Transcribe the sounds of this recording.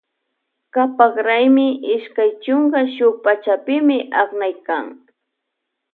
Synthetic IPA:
kapakɾajmɪʔɪʃkajt͡ʃʊŋkaʃʊk̚pat͡ʃapɪmɪʔaχnajka̰ŋ

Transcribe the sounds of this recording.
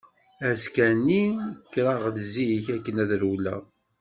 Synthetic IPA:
æskænikːɾɑʁlziiçækːənæðɾulːæ̰

